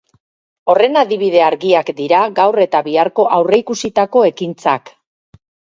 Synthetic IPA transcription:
o̞re̞naðiβ̞ið̞e̞aɾɣiakd̪iɾaɡawre̞t̪aβiaɾko̞ʔawre̞ikusit̪ako̞e̞kint͡sak

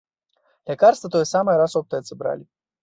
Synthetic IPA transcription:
lʲakarst̪ət̪ojəsaməjɾasop̚t̪əjət̪sɨbɾa̰lʲi

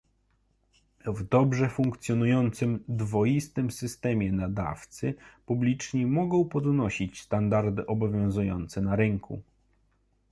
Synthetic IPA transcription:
vd̪ɔbʐɛfuŋkt̪sʲjɔnujɔnt̪sɘmd̪vɔjist̪ɘmsɘst̪ɛmʲjɛnad̪a̰ft̪sɘpublʲit͡ʂɲimɔɡɔ̃w̃pɔd̪nɔɕit͡ɕst̪and̪aɾd̪ɘʔɔbɔvʲjɔ̃w̃zujɔ̰nt̪sɛnaɾɘŋkʰṵ

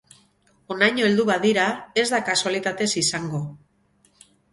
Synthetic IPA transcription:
o̞najɲoeld̪uβaðiɾae̞zðakasualit̪at̪e̞sisaŋɡo̞

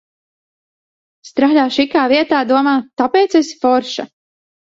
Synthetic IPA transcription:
st̪ɾaːʎaːʃikaːviɛt̪aːd̪uɔmaːt̪apeːt̪sesfɔɾʃa

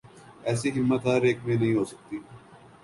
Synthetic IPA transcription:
ɛːsiːɦɪmːət̪ɦaːɾeːkmẽːnɐɦĩːɦoːsək̚t̪iː

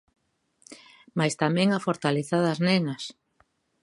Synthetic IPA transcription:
majst̪amɛ̃ŋafoɾt̪aleθaðaznɛnɐs

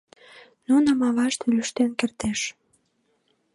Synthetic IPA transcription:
nunəmɑβɑʃt̪elyʃt̪enkert̪eʃ

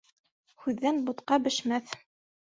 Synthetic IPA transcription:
hʉðːænbut̪qɑbɘ̆ʃmæθ

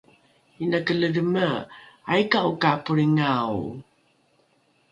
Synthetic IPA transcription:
inakələɾəməajkaukapuɾiŋaw̰

